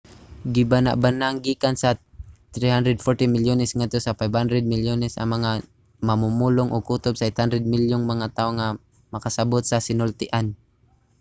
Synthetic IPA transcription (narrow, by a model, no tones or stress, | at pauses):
ɡɪbana̰ʔbanaŋɡiːkansat̪ɾihand̪ɾɛd̪̚fɔɹt̪ɪmɪljonɛsŋad̪̚t̪osafajbhand̪ɾɛd̪̚mɪljonɛsʔɐ̰ŋmɐŋa | mɐmumuːlʊŋʔoɡʔuːt̪obsaɪt̪hand̪ɾɛd̪̚mɪljʊŋmɐŋat̪aoŋa | mɐkasabot̪̚sasɪnʊlt̪ɪʔan